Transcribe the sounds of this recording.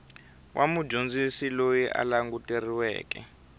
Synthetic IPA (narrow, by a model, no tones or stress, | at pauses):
wʔamu̥d͡ʒond͡zisilojiʔa̰laŋɡuteriwɛ̰ːkɛ̰